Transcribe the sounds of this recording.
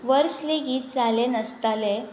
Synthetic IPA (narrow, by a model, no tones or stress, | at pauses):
ʋəɾsliɡiːt̪̚d͡zalenəst̪ale